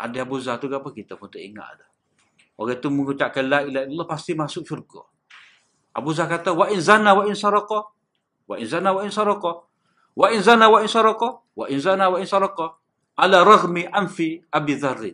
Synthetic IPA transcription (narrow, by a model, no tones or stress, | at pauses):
ʔa̰dɛabuzat̪uɡapakit̪aput̪aḭŋa̰ʔda | ɔ̰ɡɛt̪umuŋkut͡ʃaʔkanlailahilːalːahpast̪imasʊk̚ʃurkɔ̰ | ʔa̰buzakat̪awaʔinzanawaʔinsɑɾɑqɔ | wa̰ʔinzanawainsaɾɔkɔ | waʔinzanawainsɔɾɔqɔ | wa̰ʔinzanawainsɑɾɑqɔ | ʔalaɾˤɑɣmiʔanfiabiðarːi